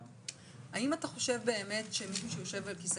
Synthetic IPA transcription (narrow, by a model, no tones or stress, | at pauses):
aimataχo̞ʃe̞vbe̞ːme̞tʃe̞miʃ̬uʃejo̞ʃe̞valkis